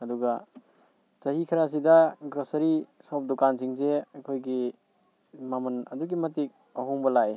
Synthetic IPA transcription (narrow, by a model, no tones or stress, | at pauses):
ɐduɡɐ | sɐɦikʰɐɾas̬idɐɡɾɐsɐɾisawp̚dɔkansiŋzeɐkʰojɡi | mamɐnɐduɡimɐtik̚ | ɐɦuŋbɐlaj